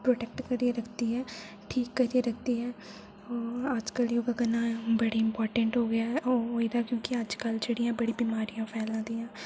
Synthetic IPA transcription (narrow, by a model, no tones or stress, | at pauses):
pɾoːʈɛːk̚ʈkəɾieɾəkʰd̪iːɦɛː | ʈʰiːkːəɾiːeɾək̚ʰd̪iːɦɛː | əd͡ʒkəljoːɡəɡənãːbəɽeːɪmpɔːɾʈəɳʈɦoːɡɪaːɔoid̪aːkjõːkɪəd͡ʒkəld͡ʒeːɽijãːbəɽiːbimaːɾijãːpʰɛːlãːd̪iːjãː